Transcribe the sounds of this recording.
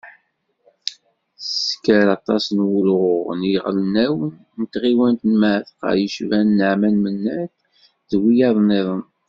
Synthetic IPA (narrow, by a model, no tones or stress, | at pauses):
skəɾɑt̪ˤɑsnwulʁʊʁniʁlənæwən | nt̪ʁiwænt̪nmaθqə̰ʕjəʃvænːəʕmænmənːæθ | ðwijɑðˤneðˤən